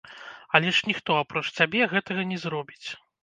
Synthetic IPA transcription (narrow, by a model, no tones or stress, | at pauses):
ɐlʲɛʂnʲixt̪ɔapɾɔt͡ʂsʲabʲɛɣɛt̪ɐɣɐnʲɛzɾɔbʲit͡sʲ